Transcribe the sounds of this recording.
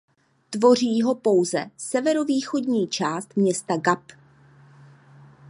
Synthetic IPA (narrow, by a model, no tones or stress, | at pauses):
t̪vo̞r̝iːɦo̞po̞wzɛ̰sɛvɛɾo̞viːxo̞dɲiːt͡ʃaːst̪mɲɛst̪aɡap